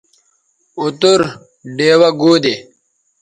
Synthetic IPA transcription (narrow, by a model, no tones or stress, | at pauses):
ut̪uɾ | ɖeːwɐɡoːd̪e